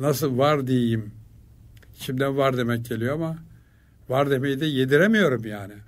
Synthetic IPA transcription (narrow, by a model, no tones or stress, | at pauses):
nasɯlˠvaɾd̪ijejim | ʃʰimd̪ænvaɾd̪e̞mɛc̚ɟe̞lʲijo̞ama | vaɾd̪emejid̪ɛjed̪iɾemijo̞ɾumjaːnɪ